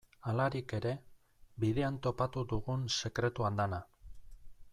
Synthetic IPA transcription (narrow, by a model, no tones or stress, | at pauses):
alaɾike̞ɾe̞ | biðe̞ant̪o̞pat̪uðuɣunse̞kɾe̞t̪uand̪ana